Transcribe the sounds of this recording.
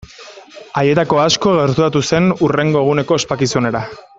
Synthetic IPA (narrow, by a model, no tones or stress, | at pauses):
aje̞t̪ako̞asko̞ɣe̞ɾt̪uɾat̪use̞nure̞ŋɡo̞eɣ̞une̞ko̞espakisone̞ɾa